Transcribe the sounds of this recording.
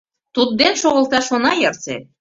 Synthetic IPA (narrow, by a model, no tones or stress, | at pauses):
t̪ud̪̚ːenʃoɣə̆lˠt̪ɑʃonɑjɤɾt͡sḛ